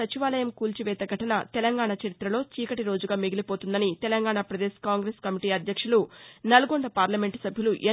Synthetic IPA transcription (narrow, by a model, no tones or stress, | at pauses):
ɐt͡ʃiʋaːlɐjɐmkuːlt͡ʃiʋɛːt̪ɐɡʱɐʈɐnɐt̪ɛlɐŋɡaːɳɐt͡ʃɐɾit̪ɾɐlo̞ːt͡ʃiːkɐʈiɾo̞ːd͡ʒuɡaːmiɡilipo̞ːt̪und̪ɐnit̪ɛlɐŋɡaːɳapɾɐd̪eːskaːŋɡɾeːskɐmiʈiːɐd̪ʱjɐkʂulunɐlɐɡoɳɖɐpaːɾlɐme̞ɳʈu̥sɐbʱjuluʔe